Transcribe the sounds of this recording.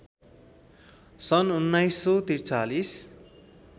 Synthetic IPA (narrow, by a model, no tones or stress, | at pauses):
sʌnunːajsːot̪irt͡salis